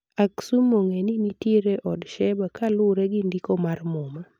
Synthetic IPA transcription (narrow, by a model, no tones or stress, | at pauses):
aksumoŋenɪnitiɾeʔɔdʃɛbakalʊɾɛɡɪndikomarmoma